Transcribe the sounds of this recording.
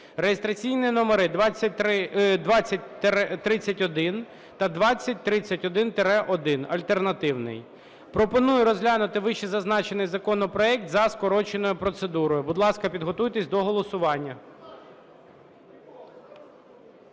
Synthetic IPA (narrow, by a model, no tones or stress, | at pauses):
rejest̪ɾɐt͡sʲijninɔmeɾɪd̪ʋɑɐɪd̪ʋɑt͡sʲːɐt̪ɾɪt͡sʲːɐtʲɔd̪ɪn | t̪ɐd̪ʋɑt͡sʲːɐt̚ʲt̪ɾɪt͡sʲːɐtʲɔd̪ɪnt̪eɾɛʔɔd̪ɪnɐlʲt̪ernɐt̪ɪwnɪ̰j | pɾɔpɔnujʊɾɔzɦlʲanʊt̪ɪʋɪʃizɐznɑt͡ʃenɪjzɐkɔnɔpɾɔɛk̚t̪zɐskɔɾɔt͡ʃenɔjʊpɾɔt̪sed̪uɾɔjʊbʊd̪lˠɑskɐpʲid̪ɦɔt̪ujt̪esʲd̪ɔɦɔlˠɔsʊʋɑnʲːɐ